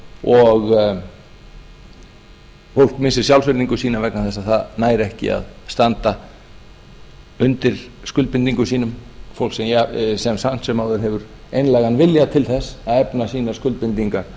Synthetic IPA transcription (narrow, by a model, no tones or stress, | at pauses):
ɔɣ | fowl̥kmɪnsɪ̥sjawlsvɪɾniŋkʏsiːnavɛknaθɛsːaðθaðnaːjɾɛhcɪ̰a̰ðst̪ant̪a | ʏnt̪ɪɾ̥skʏl̚pɪnt̪iŋkʏsiːnʏmfowlksɛmjasɛmsan̥t̪sɛmːaːwðʏɾɦɛvʏɾ | ejnlajɣanvɪljat̪ʰɪlθɛsːaðɛpnasiːnḁskʏlt̪pɪnt̪iŋkaɾ̥